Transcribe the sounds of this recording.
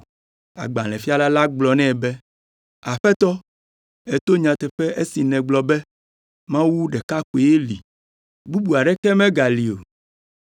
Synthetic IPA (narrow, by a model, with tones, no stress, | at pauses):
a̰˨ɡ͡bã˨lɛ̃˨fi˦a˦la˦la˦ɡ͡blɔ˨nɛ̃˦˨bɛ˦ | a˨ɸɛ˦t̪ɔ˦ | e˨t̪o˦ɲã˨t̪ɛ˨ɸɛ˦ʔe˦si˨nɛ̃˨ɡ͡blɔ˨bɛ˦ | mã˦wu˦ɖɛ˨ka˦ku˨e˨je˦li˨ | bu˦bu˨a˨ɖɛ˦kɛ˦mɛ̃˦ɡa˨li˨o˨